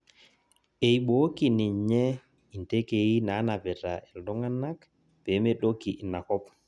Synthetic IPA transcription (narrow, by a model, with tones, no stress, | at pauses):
e˨jɓo˦ki˨ni˨ɲɛ˦ | i˨nte˦ke˨ji˦na˨˦na˨bɛ˨ta˨ɛ˨ldɔ˦ŋa˦nːa˦k | pe˨˦me˦ɗo˦ki˨i˨na˨kɔ˦p̚